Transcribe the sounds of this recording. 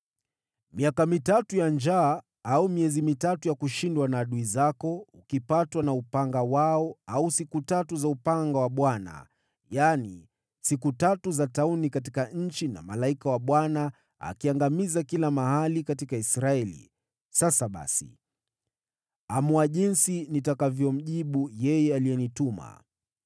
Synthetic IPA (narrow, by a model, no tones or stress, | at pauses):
miakamitatujand͡ʒaː | aumiɛzimitatujakuʃindwanaːɗuizakɔukipatwanaupaŋɡawaɔausikutatuzaupaŋɡawaɓwana̰ | jani | sikutatuzataunikat̬ikaɲ̩t͡ʃina̰malaikawaɓwana | a̰kiaŋɡamizakilamahalikatikaisɾaɛlḭ | sasaɓa̰sḭ | amuaʄinsinitakavjɔm̩ʄiɓujɛjɛaliɛnituma̰